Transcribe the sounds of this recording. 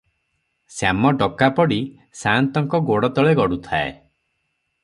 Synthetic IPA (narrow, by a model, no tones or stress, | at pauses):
samɔɖɔkapɔɽi | sant̪ɔŋkɔɡoɽɔt̪ɔɭeɡɔɽut̪ʰa̰ḛ